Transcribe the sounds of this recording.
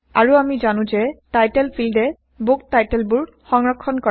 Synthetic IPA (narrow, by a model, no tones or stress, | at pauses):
a̰ɹuamizanʊ̃zɛtajtɛlpʰildɛ | boktajtɛlbʊɹ | xɔŋɹɔkʰːɔnkɔ